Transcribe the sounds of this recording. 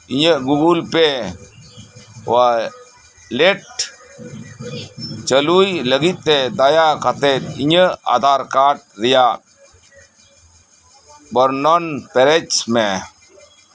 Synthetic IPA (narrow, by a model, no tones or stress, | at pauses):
iɲəʔɡuɡulpe | wa | leʈ | t͡ʃəlujləɡit̪̚ːɛd̪ajakat̪ɛt̪̚iɲəʔa̰d̪ʱaɾkaʈ̚ɾɛjaʔ | bɔɾnɔnpɛɾɛt͡ʃmɛ